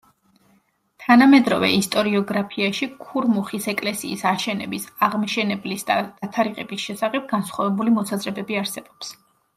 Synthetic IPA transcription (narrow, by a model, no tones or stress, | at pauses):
t̪ʰanamɛd̪ɾɔ̰vɛ̰ist̪ʼɔɾiɔɡɾapʰiaʃikʰuɾmuχisɛkʼlɛsiːsaʃɛnɛ̰bisaʁmaʃɛnɛblisd̪a̰d̪̥at̪ʰaɾiʁɛ̰bisʃɛsaχɛp̚ɡansχwavɛbulimɔsazɾɛbɛbiaɾsɛbɔps